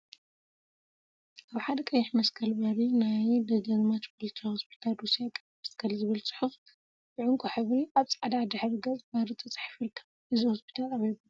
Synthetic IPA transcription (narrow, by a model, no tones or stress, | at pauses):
ʔaβħad̪ɐkʼɐjːɪħmɐskʰɐlbɐɾinajd̪ɐɡɐzmat̪pʰolt̪ʰahospʰi̥t̪ʰald̪usijakʼɐjmɐskʰɐlzɨβɨlt͡sʼɨ̥ħuf | bɨʕʊŋkʼoħɨβɾiʔaβt͡sʼaʕd̪ad̪ɨħɾɨɡɐzʼbaɾɨt̪ʼɐt͡sʼɨ̥ħfɨlkʰɐ̥ | ʔɨzihospʰi̥t̪ʰalaβibu